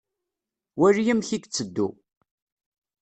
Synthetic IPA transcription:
wærijəmçikt͡sːəd̪ːṵ

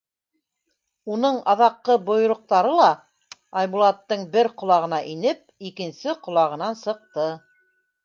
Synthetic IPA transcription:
unɤɴɑðɑqːɤbŏj̆ɾŏq̚t̪ɑɾɤlˠɑ | ɑjbulˠɑt̪ːɤɴbɘɾqŏlˠɑʁɤ̆nɑʔinɘp̚ikɘ̆nsɘqŏlˠɑʁɤ̆nɑnsɤ̆q̚t̪ɤ

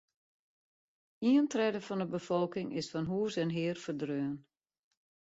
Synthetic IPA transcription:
iəntrɛdəfɔndəbəfɔlˠkɪŋɪsfɔnɦuːəsɛnɦɪːərfərdrøːən

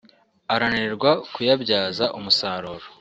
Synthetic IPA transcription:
aɾaniɾɡwakujabɟaːzaʔumusaːɾoːɾo

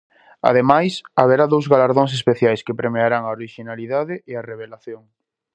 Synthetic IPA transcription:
a̰ðemajsaβ̞eɾaðowzɣalaɾðoŋs̬espeθjajskepɾemeaɾaŋaoɾiʃinaliðaðɪeareβ̞elaθjoŋ

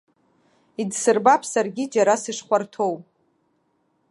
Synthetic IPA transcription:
idsɨrbapʰsarɡʲid͡ʒaɾasɨʂχʷartʰowpʼ

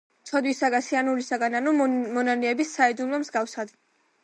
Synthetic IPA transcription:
t̪sʰɔd̪wisaɡasianulisaɡananumɔnanɛɛbisːaɛd̪unmamzɡafsad̪

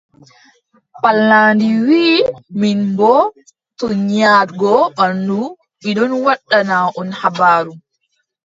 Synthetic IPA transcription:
palːaːndiwiːminbɔ | tɔɲaɾɡɔɓanːu | miɗɔnwaɗːanaʔɔnhabaːɾu

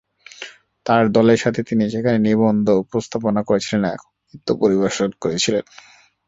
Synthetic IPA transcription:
t̪aɾd̪ɔleɾʃat̪ʰet̪iniʃekʰanenibond̪ʱopɾost̪ʰaponakoɾet͡ɕʰilenɛ̰kʰo̥ | it̪ːopoɾibeʃonkoɾet͡ɕʰilen

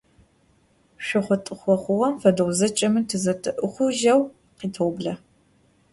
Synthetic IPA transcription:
ɕʷɪχʷɔtʼɨχʷɔχʷʊʁɐmfɐdɨʁʷzɐt͡ʃʼɐmɨtʰɨzɐtʰʼɨʔʊχʷʊʒɐw | qiːtʰowbɮɐ

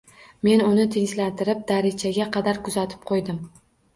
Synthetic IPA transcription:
me̞nʊnɪt̪ʰeŋʲʃlant̪ɪɾɪp̚d̪aɾɪd͡ʒʰaɡʲaqʰɑd̪aɾkʰʊzat̪ʰɪ̥p̚qʰojd̪ɪm

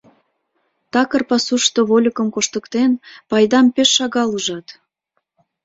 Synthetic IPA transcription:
t̪ɑkərpɑsuʃt̪oβolʲəkə̆mkoʃt̪əkt̪enpɑjd̪ɑmpeʃːɑɣɑluʒɑt̪

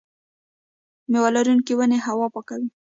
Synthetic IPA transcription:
mewalaɾunkiwəneɦawɑpakawi

